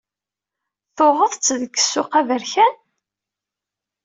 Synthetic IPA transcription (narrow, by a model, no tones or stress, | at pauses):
θʊʁəðˤt͡sːðəkːə̥sːʊqævəɾçæn